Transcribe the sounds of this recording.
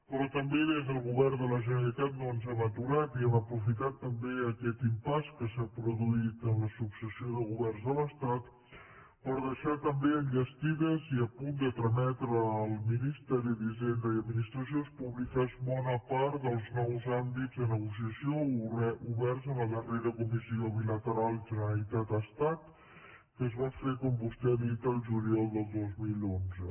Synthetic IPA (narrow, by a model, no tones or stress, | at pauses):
pɾɔt̪əmbeðezðəlˠɣuβɛrd̪ələʒənəlit̪at̪̚noənzɛmət̪uɾat̪iɛməpɾufit̪at̪ːəmbeəkɛt̪impaskəsapɾuðuit̪ənləsuksəsioðəɣuβɛrnzðələst̪at̪ | pəɾðəʃat̪əmbeənɡəst̪iðəziəpund̪ət̪ɾəmɛt̪ɾəːlˠminist̪ɛɾiðiʒend̪əiəd̪minist̪ɾəs̬iospuβlikazbɔnəpaɾt̪d̪əlˠznɔwzambizðənəɣus̬iəsioɛuβɛrzəməðəreɾəkumisioβilət̪əɾalˠʒənəɾlit̪at̪əst̪at̪ | kəzβafekumpust̪ɛβit̪əlˠʒuliɔlˠd̪əlˠd̪ozmilonzə